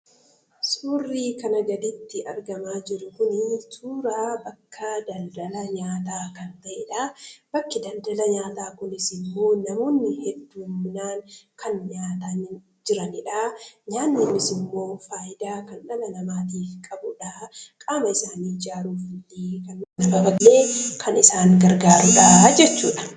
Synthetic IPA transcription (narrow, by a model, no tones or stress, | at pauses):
suːrːiːkɐnɐɡɐd̪ɪt̪ːɪʔɐɾɡɐmaːd͡ʒɪɾʊkʊnɪt̪ʰuːɾaːbɐkːɐd̪ɐld̪ɐlɐɲaːt̪̬aːkɐnt̪ɐʔɛᶑaːb̥ɐkːɪd̪ɐnd̪ɐlɐɲaːt̪aːkʊnɪsɪmːo̞ːnɐmo̞ːnːɪhɛd̪ːuːmːɪnaːŋkʰɐnɲaːt̪ɐnɪ | d͡ʒɪɾɐnɪᶑaːɲaːnːɪmɪsɪmːo̞ːfaːjɪd̪aːkɐnᶑɐlɐnɐmaːt̪iːfkʼɐbʊᶑaːkʼaːmɐɪsaːniːd͡ʒaːɾuːfʊliːkɐnnɐbɐbɐlːe̞ːkʰɐnɪsaːŋɡɐɾɡaːɾʊᶑaːd͡ʒɛt͡ʃːṵːᶑɐ̥